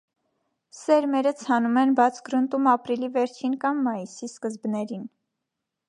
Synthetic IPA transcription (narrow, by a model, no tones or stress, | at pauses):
sɛɾmɛɾət͡sʰhɑnumɛnbɑt͡sʰɡɾənt̪umɑpɾilivɛɾt͡ʃʰinkɑmːɑjisiskəzbnɛɾin